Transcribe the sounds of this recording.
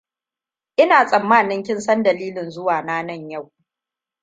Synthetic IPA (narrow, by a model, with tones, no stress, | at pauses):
ʔɪ˦naː˨sʼɐ˨mːaː˦˨nɪ˦ŋkʲɪ˦nsɐ˦ndɐ˨liː˦lɪ˨nzʊ˦waː˨naː˦nɐ˦˨ɲja˦˨w